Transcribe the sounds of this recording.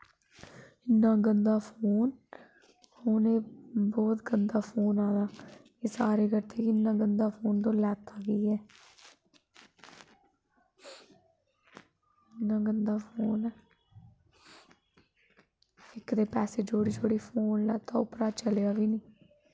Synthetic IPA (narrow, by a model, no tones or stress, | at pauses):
ɪnːãːɡənd̪aːpʰoːn | hoːneːbɔːt̪ɡənd̪aːpʰoːnaːd̪aːkeːsaːɾeːkəɾt̪eːkɪnːãːɡənd̪aːpʰoːnt̪õːlɛːt̪aːʋiːɛː | ɪnːãːɡənd̪aːpʰoːnɛː | ɪkd̪eːpɛːseːd͡ʒoːɽiːd͡ʒoːɽiːpʰoːnlɛːt̪aːʊpɾaːt͡ʃəljaːʋiːniː